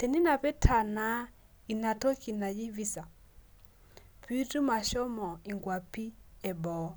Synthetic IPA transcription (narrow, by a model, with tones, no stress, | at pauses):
tɛ˨ni˦na˨pɛ˦tʰa˨na˨˦ | i˨na˨tɔ˦ki˨na˨ji˦vi˦sa˨ | pi˦tu˦ma˨ʃɔ˦mɔ˨i˨ŋɡwa˨pi˦ɛ˨bɔ˨˦